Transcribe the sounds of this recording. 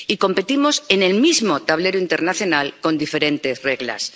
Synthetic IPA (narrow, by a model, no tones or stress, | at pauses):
iko̞mpe̞t̪imo̞se̞ne̞lmizmo̞t̪aβ̞le̞ɾoint̪e̞ɾnaθjo̞nalko̞nd̪ife̞ɾe̞nt̪e̞zre̞ɣla̰s